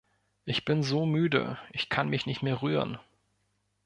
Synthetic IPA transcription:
ʔɪçb̥ɪnzoːmyːdə̰ʔɪçkʰanmɪçnɪçtmeːɐʁyːʁən

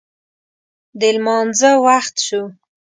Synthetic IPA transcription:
d̪əlmɑnzəwaxt̪ʃu

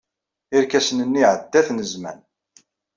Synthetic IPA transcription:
iɾkæsənənːiʕəd̪ːæθnəzmæ̰n

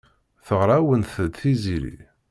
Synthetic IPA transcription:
θəʁɾˤawənθəd̪θizilḭ

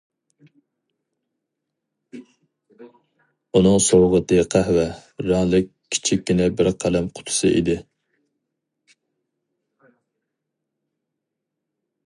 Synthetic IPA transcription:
unɨŋsowʁət̪ɨqʰæhwɛɾɑŋlˠɨk̚ʲʰːi̥t͡ʃʰikʲːynɪbɪɾqʰælɛmqʰʊ̥t̪ʰʊ̥sɨʔḭd̪ɪ

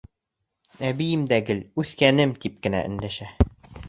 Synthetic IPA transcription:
æbijɘmd̪æɡɘlʉθkænɘmt̪ip̚kɘ̆næ̰ʔɘ̆nd̪æʃæ

